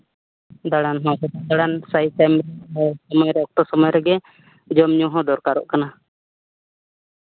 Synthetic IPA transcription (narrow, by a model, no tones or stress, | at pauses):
d̪aɽanɦɔ̃kɛt̪ad̪aɽansajt̪ɛmɾɛɔsɔmɔjɾɛɔk̚t̪ɔsɔmɔjɾɛɡɛ | d͡ʒɔmɲũɦɔ̃d̪ɔɾkaɾɔ̰ʔkana